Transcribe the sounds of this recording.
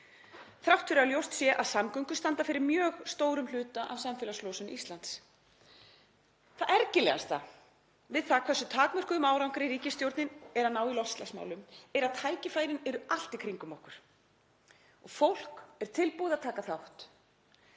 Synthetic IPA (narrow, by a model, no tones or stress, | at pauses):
θɾawht̪ʏɾawljowr̥t̪sjɛʔaðsamkœŋkʏ̥st̪ant̪afɪɾɪɾmjœːɣst̪oːwɾʏml̥ʏːt̪aʔavsamfɛlaslowsʏnist̪lant̪s | θaɛɾcɪlɛ̰ɣa̰st̪a̰ | vɪðθakʰvɛsːʏt̪ʰaːkmœr̥kʏʏmaːwɾawŋkaɾiɾiːcɪst̪jowɾt̪nɪnɛɾanaːwilɔst̪lasma̰wlʏmɛɾaðt̪ʰaːjcɪfaːjɾɪnɛɾʏal̥t̪ɪkʰɾiŋkʏmɔhkʏɾ̥ | ɔɣfowl̥kɛɾ̥t̪ʰɪlpuwðaðt̪ʰaːkaθawht̪